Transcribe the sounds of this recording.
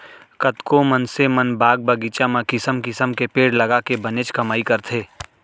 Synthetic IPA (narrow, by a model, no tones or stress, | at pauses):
kɐt̪komɐnsemɐnbaːɡ̚bɐɡiːt͡ʃamãkɪsəmkɪsəmkepeːɽlɐɡakebɐneːt͡ʃkɐmaːikɐɾt̪ʰeː